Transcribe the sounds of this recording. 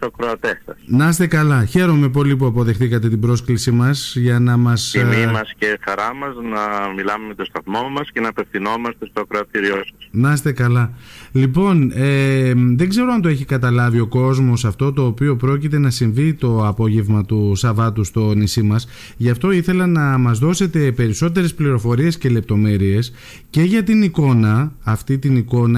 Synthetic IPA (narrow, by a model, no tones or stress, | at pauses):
t̪oɐkɾoɐt̪esɐsnɐst̪e̞kɐlɐçe̞ɾo̞me̞p̬o̞lip̬uɐpo̞ðe̞xθikɐt̪e̞t̪ibɾo̞sklisimɐsʝɐnɐmɐsimɐscexɐɾɐmɐznɐmilɐmeme̞t̪o̞st̪ɐθmo̞mɐsce̞nɐpe̞fθino̞mɐst̪e̞st̪oɐkɾoɐt̪iɾiosɐsnɐst̪e̞kɐlɐlipo̞neðe̞ɡze̞ɾoɐnt̪oe̞çikɐt̪ɐlɐvio̞ko̞zmo̞sɐft̪o̞t̪o̞ːpio̞pɾo̞cit̪e̞nɐsiɱvit̪o̞ɐpo̞ʝe̞vmɐt̪usɐvɐt̪ust̪o̞nisimɐs | ʝɐft̪o̞iθe̞lɐnɐmɐzðo̞se̞t̪e̞pe̞ɾiso̞t̪e̞ɾe̞spliɾo̞fo̞ɾie̞sce̞le̞p̚t̪o̞me̞ɾie̞s | ce̞ʝɐt̪iniko̞nɐːft̪it̪iniko̞nɐ